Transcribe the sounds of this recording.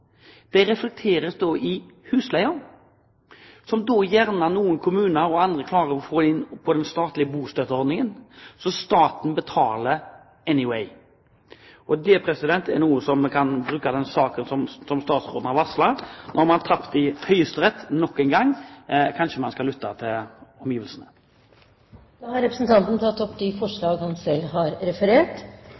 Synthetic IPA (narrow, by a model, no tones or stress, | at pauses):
d̪̥ɛɾɛflɛk̚t̪ʰeːɾəsd̪oːʔɪhʉːslæɪʊn | sɔmd̪oːjæʁnənuːənkʰʊmʉːnəɾɔɑnd̪ɾəkʰlɑːɾəɔfoːɪnːpʰɔd̪ɛnst̪ɑːt̪lɪəbuːst̪øt̪əɔɾd̪nɪŋənsɔst̪ɑːt̪n̩bət̪ʰɑːlə | ɛnɪwɛɪ | ɔd̪ɛpʰɾɛsɪd̪ɛnt̪ɛɾnuːəsɔmkʰɑnbɾʉːkɑd̪ɛnsɑːkənsɔmsɔmst̪ɑːt̪sɾoːd̪n̩ɑʋɑslɑnʔɔɾmɑnt̪ʰɑpt̪ɪhœʏəst̪əɾɛt̪ːnɔkːɛnɡɑŋːkʰɑnʃəmɑnskɑlʏt̪ːɑt̪ʰɪlɔmjiːʋəlsənə | d̪̥ɑhɑɾɛpɾəsn̩t̪ʰɑnt̪n̩t̪ʰɑt̪ːɔpːd̪ɪfɔʂɭɑːɡhɑnsɛlːhɑɾɾɛfəɾeːʈ